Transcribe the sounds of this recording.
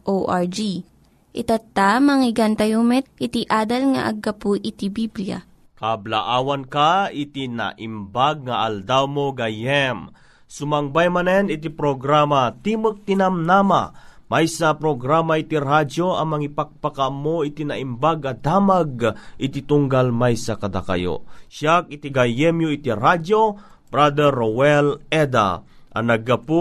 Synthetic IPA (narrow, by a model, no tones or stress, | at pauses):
ʔoʔaɹd͡ʒi | ʔɪt̪at̪ːamɐŋɪɡant̪ɐjumɛt̪̚ʔɪt̪iʔaːd̪ɐlŋɐ̰ʔɐ̰ɡɐpuʔɪt̪ibiblja̰ | kabla̰ʔaːwankait̪ina̰ʔimbaɡ̚ŋɐʔald̪awmoɡajɛm | sʊmɐŋbajmɐnɛnit̪ipɾoɡɾamat̪iːmək̚t̪ɪnamnama̰majsapɾoɡɾamait̪iɾad͡ʒoɐmɐŋipak̚pakamoit̪inaʔimbaɡɐd̪aːmaɡ̚ʔɪt̪it̪uŋɡalmajsakɐd̪a̰ka̰jo̰ʃak̚it̪iɡajɛmjoit̪iɾad͡ʒo | bɾad̪ɛɾowɛlɛd̪a̰ʔɐ̰nɐɡɐpu